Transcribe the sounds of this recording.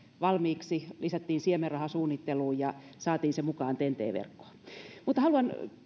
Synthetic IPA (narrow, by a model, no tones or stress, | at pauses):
ʋɑlmiːksilisæt̪ːiːnsiemerɑhɑsuːnːit̪ːeluːjjɑ | sɑːt̪iːnsemukɑːnt̪ent̪ḛːʋḛrkːo̥ːmuːt̪ːˑɑhɑluɑn